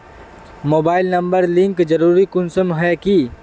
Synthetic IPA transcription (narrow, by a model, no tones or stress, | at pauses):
moːbaːɪlnɐ̃mbəɾlɪ̃ŋkd͡ʒəɾuːɾikʊnsəmɦɛki